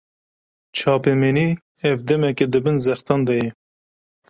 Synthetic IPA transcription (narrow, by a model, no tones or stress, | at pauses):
t͡ʃʰɑːpɛmeniː | ɛvd̪ɛmɛked̪ɨbɨnzɛxt̪ɑːnd̪ɛjɛ